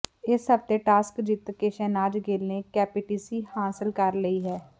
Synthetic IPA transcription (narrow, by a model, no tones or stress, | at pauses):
ɪsɦəbt̪eʈaːskd͡ʒɪt̪keʃɛːnaːd͡ʒɡeːlnekɛːpɪʈiːsihãːsəlkəɾləiɦɛː